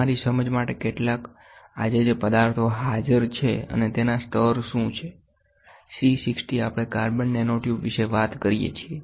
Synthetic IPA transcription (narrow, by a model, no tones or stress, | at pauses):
aɾisəməd͡ʒmaʈekeʈlak | a̰d͡ʒed͡ʒepəd̪aɾt̪ʰoɦad͡ʒəɾt͡ʃʰeə̰net̪enast̪ʰəɾʃũt͡ʃʰe | sisɪksʈiapɽ̃ekaɾbəɳːenoʈjupʋiʃeʋat̪kəɾijḛt͡ʃʰie